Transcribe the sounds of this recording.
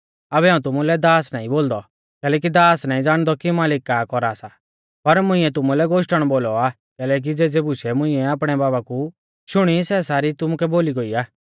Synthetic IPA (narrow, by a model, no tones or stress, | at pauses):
ɐbɛãːũt̪ʊmulɛd̪aːsnaːĩboːld̪ɔ | kɛːlɛːk̬id̪aːsnãːĩd͡zaːɽ̃d̪ɔkimaːlɪkːakɔɾaːsa | pɐɾmʊ̃ɪ̃ɛt̪ʊmulɛɡoːʃʈəɽ̃boːlɔaː | kɛːlɛːk̬id͡zeːd͡zeːbusɛmʊ̃ɪ̃ɛaːp̬ɽ̃ɛbaːbaku | ʃʊɽ̃isɛsaːɾit̪ʊmukɛboːliɡɔːiaː